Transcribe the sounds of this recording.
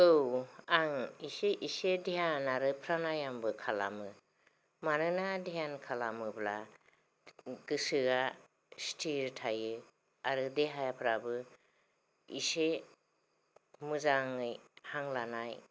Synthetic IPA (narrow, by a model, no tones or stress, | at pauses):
ɯwaŋiseʔisedijanaɾɯpʰɾanajambɯkʰala̰mɯ | manɯnadijankʰalamɯbla̰ | ɡɯsɯɡa | stʰiɾtʰajɯ | aɾɯdeɦajapʰɾabɯ | ḭse | mɯzaŋɯjhaŋlanaj